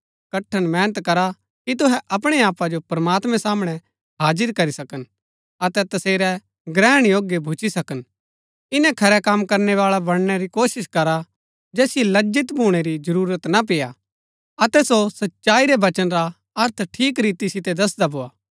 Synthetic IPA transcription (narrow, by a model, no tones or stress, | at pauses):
kɐʈʰːəɽ̃mɛ̃ːnət̪kɐɾa | kit̪ʊɦɛ̃ʔɐp̬ɽ̃eaːpad͡ʒopɾɐmaːt̪mɛ̃saːmɽ̃ɛ | ɦaːd͡ʒɪɾkɐɾisɐkən | ɐt̪ɛt̪ɐseːɾɛ | ɡɾɛːəɽ̃joːɡjebʱut͡ʃisɐkən | ɪnɛ̃kʰɐɾɛkamkɐɾneʋaːɭabɐɽ̃ñɛɾikoːʃɪskɐɾa | d͡ʒɛːsijelɐd͡ʒɪt̪bʱuːɽ̃eɾid͡ʒɐɾuːɾət̪nap̬ɪja | ɐt̪ɛsosɐtːʃaːiɾɛʋɐt͡ʃənɾa | ɐɾt̪ʰʈʰiːk̬ɾiːt̪isɪt̪ed̪ɐsd̪abʱoːaː